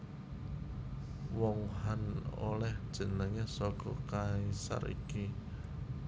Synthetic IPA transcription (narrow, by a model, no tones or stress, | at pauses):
wɔŋhano̰lɛhd̥ʒ̥ə̤nəŋesɔɡ̥ɔ̰kaisa̰ɾḭki